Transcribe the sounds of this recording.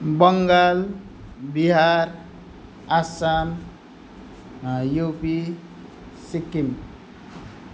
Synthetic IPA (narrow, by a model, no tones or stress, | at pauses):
bʌŋɡal | biɦaɾ | asan | jopi | sikːim